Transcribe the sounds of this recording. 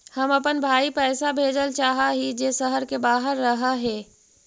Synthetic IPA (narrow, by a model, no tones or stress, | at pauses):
hɐmɐpənbʱaːipɛːsabʱeːd͡ʒəlt͡ʃaːɦaɦid͡ʒeːsɐɦəɾkebaːɦəɾːɐɦaɦɛː